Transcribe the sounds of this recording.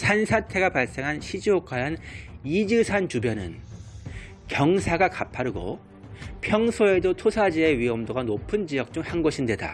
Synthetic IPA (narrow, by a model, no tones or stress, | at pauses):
sʰansʰatʰe̞ɡapaɭs͈e̞ŋɦanɕʰid͡ʑiok͈ʰananid͡ʑɯsʰant͡ɕubjʌnɯn | kjʌŋsʰaɡakapʰaɾɯɡo̰ | pʰjʌŋsʰoe̞dotʰosʰad͡ʑieɥiʌmdoɡanopʰɯnd͡ʑiʌk̚t͡ɕ͈uŋhanɡʌɕʰindwe̞da̰